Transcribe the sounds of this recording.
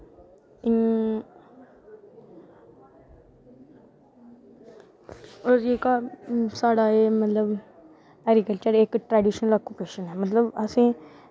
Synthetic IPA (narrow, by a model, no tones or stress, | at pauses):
oɾekasaɽaɦemət̪ləb | ɛɡɾikəlt͡ɕəɾekʈɾɛɖiʃənələkupeʃənɦɛmət̪ləbəsẽ